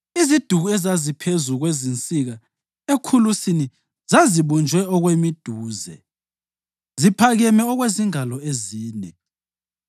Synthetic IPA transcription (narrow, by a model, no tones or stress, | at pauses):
izid̥ʱuɣuɛzazipʰezuɣwezint͡sʼiɣa | ekʰulusini | zaziβɔnd͡ʒʱwɛɔɣwemid̥ʱuːzɛ̰ | zipʰaɣɛmɛɔɣweziŋalɔeziːnɛ